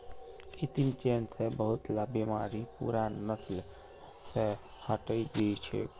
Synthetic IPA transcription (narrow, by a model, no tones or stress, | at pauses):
it̪imt͡ʃensẽbəɦut̪labimaɾipṵɾanəsl | se | həʈəid͡ʒit͡ʃʰɛ̰